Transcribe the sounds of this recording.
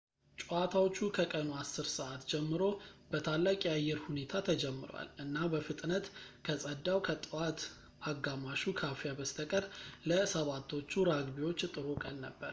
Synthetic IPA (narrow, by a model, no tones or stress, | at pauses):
t͡ʃʼuat̪ʰawo̞t͡ʃːukʰəkʼənoasːɨɾsəʔat̪d͡ʒɛmːɨɾo̞bət̪ʰalːakʼiajːɛɾhune̞t̪ʰat̪ʰəd͡ʒɛmːɨɾo̰a̰lɨnːabəfɨt̪ʼnət̪kʰəsʼəd̪ːawkʰət̪ʼɨwat̪ | aɡːamaʃukʰafijabəst̪ʰəkʼəɾləsəβat̪ʰːo̞t͡ʃːuɾaɡbiwo̞t͡ʃːt̪ʼɨɾokʼəlnəbːəɾ